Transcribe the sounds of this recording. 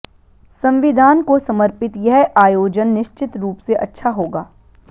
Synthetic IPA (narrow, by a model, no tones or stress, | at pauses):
sɐ̃mʋɪd̪ʱaːnkosɐməɾpɪt̪jɛɦaːjoːd͡ʒənːɪʃt͡ʃɪt̪ɾuːpseʔɐtːʃʰaɦoːɡaː